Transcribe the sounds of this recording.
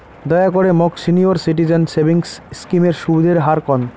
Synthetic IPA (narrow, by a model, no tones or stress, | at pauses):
d̪ɔeakoɾemɔksinioɾsiʈ̬id͡ʑansebiŋsskimeɾʃubid̪ʱeɾɦaɾkɔn